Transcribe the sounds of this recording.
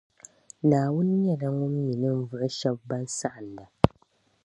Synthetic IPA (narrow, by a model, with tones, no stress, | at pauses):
naː˨wʊ˦n˦ɲɛ˦na˦ŋʊ˦mːi˨nɨ˦m˦vʊ˦ʔɪ˦ʃɛ˦b̚ːa˦nsa˦ʔa˨n˨da˨